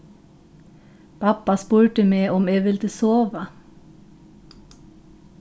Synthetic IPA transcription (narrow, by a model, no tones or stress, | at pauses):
pʰɑpɑspuːɹʈəmeːʔɔmeːʋɪlt̪əsoːʋə